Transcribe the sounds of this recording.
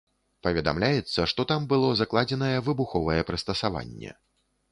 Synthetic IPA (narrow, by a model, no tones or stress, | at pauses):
pɐvʲɛd̪a̰mlʲajɛt̪sːɐʂt̪ɔt̪ambɨlˠɔzaklˠad͡zʲɛnɐjɛvɨbuxɔvɐjɛpɾɨst̪ɐsava̰nʲːɛ̰